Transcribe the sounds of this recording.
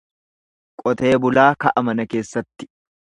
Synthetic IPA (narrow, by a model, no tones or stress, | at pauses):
kʼɔt̪e̞ːbʊlaːkɐʔɐmɐnɐke̞ːsːɐt̪ːɪ̥